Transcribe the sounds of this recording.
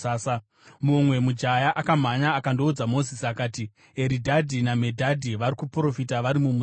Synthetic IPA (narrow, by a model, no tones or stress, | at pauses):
aːsa | mumwe̞mud͡ʒajaʔakam̤aɲaːkando̞ud͡zamo̞zisiakaːti | eɾidʱadʱiname̞dʱadʱiʋaɾikupro̞fitaʋaɾimumu